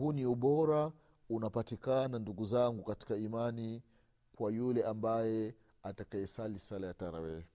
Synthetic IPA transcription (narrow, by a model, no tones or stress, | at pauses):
uniuɓɔɾa | unapatikananduɡuzaŋɡukati̥kaimani | kwajulɛʔambajɛ | atakajɛsalisalajataɾa̰wɛ